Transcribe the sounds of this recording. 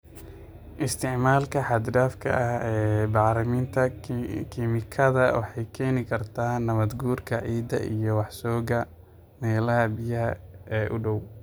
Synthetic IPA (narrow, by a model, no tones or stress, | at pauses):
ʔɪst̪ʰɪʕmaːlkʰɐħɑd̪ɖaːfkʰɐ̰ʔɐhɛːbɑʕɾɪmint̪ʰɐkʰimɪkʰɐðɐwɑħɑjkʰɛːnɪkʰɐrt̪ʰaːnɐβɐd̪ɡuːrkʰɐʕiːd̪ɐ̰ʔijɞwɑħsɔːɣɐ | mɛːlɐɦɐbɪjɐɦɐɛːʔʊɖɔw